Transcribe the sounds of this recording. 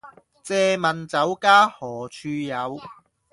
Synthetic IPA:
t͡sɛː˧mɐ˨nt͡sɐ˨˥wkaː˥hɔː˨˩t͡ʃʰyː˧jɐ˨˧w

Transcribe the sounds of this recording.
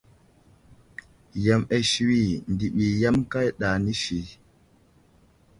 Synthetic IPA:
ja˨me˨ʃi˨wi˦˨ndi˨ɓi˨ja˦mka˦jɗa˨ni˦ʃi˨

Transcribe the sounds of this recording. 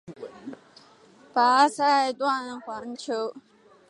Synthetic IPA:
pa˨˥sʰa˥˧ɪt̪wa˥˧nxwa˨˧˥ŋt͡ɕʰjo˧˥ʊ

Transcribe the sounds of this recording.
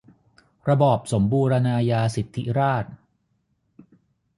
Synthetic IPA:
ɾa˧bɔː˨˩p̚so˩˦mbuː˧ɾa˧naː˧jaː˧si˨˩t̪ʰːi˦˥ɾaː˥˩t̪̚

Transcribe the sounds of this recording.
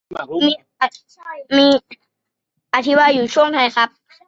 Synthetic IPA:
miː˧ | miː˧ | ʔa˧t̪ʰi˦˥waː˧juː˨˩t͡ɕʰu˥˩əŋt̪ʰa˧jxʰa˦˥p̚

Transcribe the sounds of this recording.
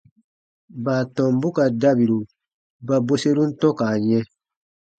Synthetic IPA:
ba˨tɔ̃˨mbu˦ka˨da˦bi˨ɾu˨ | ba˨bo˦se˦ɾũ˦n̩˦tɔ̃˦ka˨jɛ̃˦

